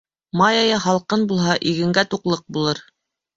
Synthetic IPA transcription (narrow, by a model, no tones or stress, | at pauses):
mɑjɑjɑɦɑlˠqɤnbulˠɦɑʔiɡɘ̆ŋɡæt̪uqlˠɤq̚bulˠɤɾ